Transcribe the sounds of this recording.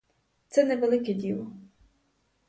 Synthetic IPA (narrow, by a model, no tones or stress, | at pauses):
t̪sɛnɛʋelˠɪkɛdʲilˠɔ